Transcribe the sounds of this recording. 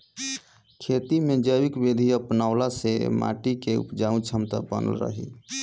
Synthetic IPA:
kʰet̪imed͡ʒəwikbed̪ʱiəpnaʊlasḛma̰ʈikeṵpd͡ʒaũt͡ʃʰəmt̪a̰bə̰nə̰lɾə̰ɦḭ

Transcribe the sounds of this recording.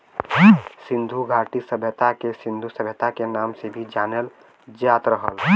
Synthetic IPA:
sĩnd̪ʱuɡʱaʈisəbʱət̪akesĩnd̪ʱusəbʱət̪akenaːmsebʱid͡ʒaːnel | d͡ʒaːt̪ɾəɦə̰l

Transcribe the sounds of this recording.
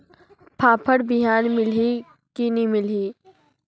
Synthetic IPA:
pʰaːpʰəɽbɪɦaːnmɪlɦi | kinimɪliː

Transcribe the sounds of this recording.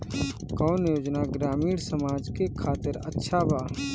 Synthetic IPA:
kɔːnjoːd͡ʒnaɡɾaːmiːɽsəmaːd͡ʒkekʰaːt̪ɪɾə̰tːʃʰabʱaː

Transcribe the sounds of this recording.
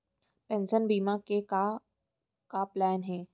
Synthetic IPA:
pɛ̃nʃənbiːmãkeka | kaplɛːnɦɛː

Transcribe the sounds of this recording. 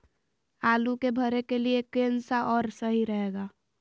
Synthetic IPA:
aːlukebʱəɾekeliekensaʔɔːɾsəɦiɾəɦeɡa

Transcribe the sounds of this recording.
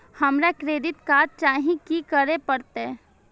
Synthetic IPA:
hɐmɾekɾeːd̪ɪt̪kaːɾt͡ʃaːɦĩkikəɾepəɾt̪e

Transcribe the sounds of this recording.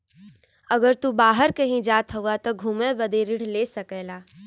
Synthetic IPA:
əɡəɾt̪ubaːɦəɾkəɦĩd͡ʒaːt̪ɦəwat̪ɔɡʱuːmebəd̪eɾɪɽ̤lesəkɛːlaː

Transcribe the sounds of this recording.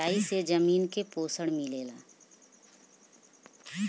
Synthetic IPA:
aːised͡ʒəmiːnkepoːsəɽmileːla̰ː

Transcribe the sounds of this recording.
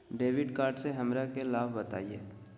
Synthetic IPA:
ɖeːʋɪɖkaːɾɖseɦɐmɾakelaːbbɐt̪a̰ːieː

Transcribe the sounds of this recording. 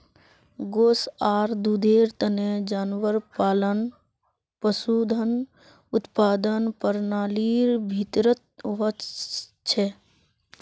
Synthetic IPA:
ɡoːsaːɾd̪ud̪eːɾt̪əned͡ʒaːnʋəɾpaːlən | pəsuːd̪ʱən | ʊt̪paːd̪ənpəɾnaːliːɾbʱit̪ɾət̪̚ʋə | t͡ʃʰɛ

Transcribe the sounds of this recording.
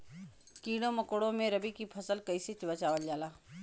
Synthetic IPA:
kiːɽõmɐkoːɽõmẽɾɐbikipʰɐsəlkɐiset͡ʃbət͡ʃaːʋəld͡ʒaːlaː

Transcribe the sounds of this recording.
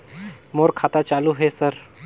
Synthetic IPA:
moɾkʰat̪at͡ɕaluɦesəɾ

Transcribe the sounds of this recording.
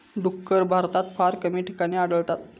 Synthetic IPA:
ɖukːəɾbʱaɾt̪at̪faɾkəmiːʈi̥kaɽ̃iːaɽəlt̪at̪

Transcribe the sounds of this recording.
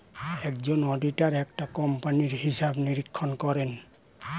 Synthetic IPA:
ɛkzɔnɔditaɹɛk̚takɔmpaniɹhisabniɹikʰːɔnkɔɹɛn

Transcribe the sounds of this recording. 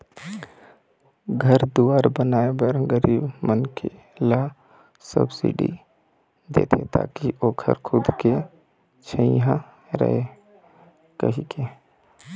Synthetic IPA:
ɡʱəɾd̪uaːɾbənaːebəɾɡəɾiːbmənkʰe | la | sə̰bsḭɖḭ | d̪ḛːt̪ʰḛt̪a̰ːkiʔoːkʰə̰ɾkʰʊd̪ke | t͡ʃʰəiɦã | ɾə̰ɦe | kə̰ɦike

